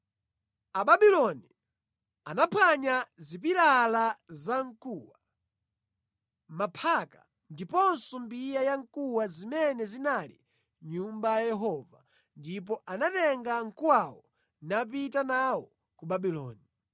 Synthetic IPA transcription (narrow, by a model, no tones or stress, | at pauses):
aɓaɓilɔni | anapʰaɲazip̬iɾalazaŋkuwa | mapʰaka̰ | ndipɔnsɔmbijajaŋkuwazimɛnɛzinalḭ | ɲumbajajɛɦɔva̰ | ndip̬ɔʔanatɛŋɡaŋ̩kuwawɔ | nap̬itanawɔ | kuɓabilɔ̰ːni